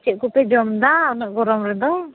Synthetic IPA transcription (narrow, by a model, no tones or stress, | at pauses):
t͡ʃɛʔ̚kupɛd͡ʒɔmd̪aɔnəʔɡɔɾɔmɾɛd̪ɔ